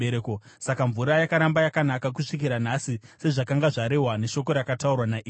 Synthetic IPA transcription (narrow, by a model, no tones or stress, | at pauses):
eɾeko | sakaɱvuɾajakaɾambajakanakak̬uʂik̬iɾanasise̞ʐakaŋɡaʐaɾe̞ɦwane̞ʃo̞k̬o̞ɾakataurwanaʔiː